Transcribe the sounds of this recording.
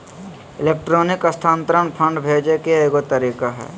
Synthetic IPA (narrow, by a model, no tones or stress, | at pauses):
ɪleːk̚ʈɾoːnɪkɐst̪ʰãːnt̪əɾənpʰə̃ɳɖbʱeːd͡ʒekeeːɡot̪əɾiːkaɦɛ̰ː